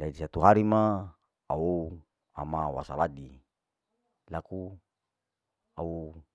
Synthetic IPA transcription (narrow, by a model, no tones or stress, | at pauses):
daidisat̪uɦaɾima | au | amawa̰saladi | laku | au